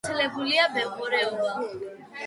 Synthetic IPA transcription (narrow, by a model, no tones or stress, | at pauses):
ɛlɛbuliabɛkʼɔɾɛɔva